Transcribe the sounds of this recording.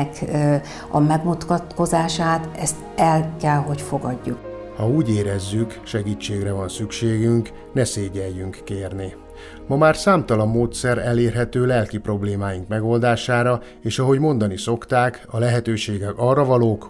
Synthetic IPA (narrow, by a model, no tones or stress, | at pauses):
k | ɒ̰mɛɡmut̪kɒt̪ko̞zaːʃaːt̪ɛst̪ɛlkɛlɦo̞cfo̞ɡɒɟːuk | hɒuːɟeːɾɛzːykʃɛɡiːt͡ʃːeːɡrɛvɒnsykʃeːɡyŋk | nɛseːɟɛjːyŋkːeːrni | mɒmaːrsaːmt̪ɒlɒmːoːt̪sɛɾɛleːrɦɛt̪øːlɛlkipro̞bleːmaːjiŋkmɛɡo̞ld̪aːʃaːɾɒ | eːʃɒɦo̞ɟmo̞nd̪ɒniso̞kt̪aːkɒlɛɦɛt̪øːʃeːɡɛkɒrːɒvɒloːk